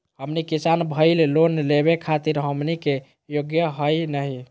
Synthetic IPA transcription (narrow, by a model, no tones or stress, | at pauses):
həmnikisanbʱəɪllonleβekʰat̪iɾɦəmnike | joɡjəɦəjnəɦi